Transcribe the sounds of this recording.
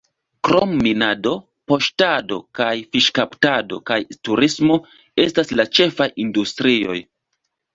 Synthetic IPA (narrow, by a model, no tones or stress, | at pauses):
kɾomːinado̞ | po̞ʃtado̞̰kajfiʃkaptado̞̰kajtuɾismo̞ | e̞staslat͡ʃe̞fajindustɾio̞̰j